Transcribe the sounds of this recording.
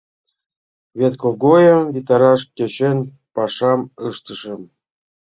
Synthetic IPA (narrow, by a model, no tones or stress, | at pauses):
βʲet̪koɡojə̆βʲit̪ɑɾɑʃket͡ɕenʲ | pɑʃɑməʃt̪əʃə̆m